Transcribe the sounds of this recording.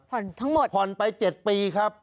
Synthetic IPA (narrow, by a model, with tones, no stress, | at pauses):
pʰɔ˨˩nt̪ʰa˦˥ŋmo˨˩t̪̚pʰɔ˨˩npa˧jt͡ɕe˨˩t̪̚piː˧kʰa˦˥p̚